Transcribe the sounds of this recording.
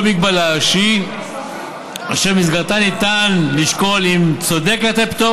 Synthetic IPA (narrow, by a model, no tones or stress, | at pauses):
miɡ̚balaʃi | a̰ʃemizɡaʁt̪anit̪anliʃko̞limt͡so̞d̪eket̪ept̪o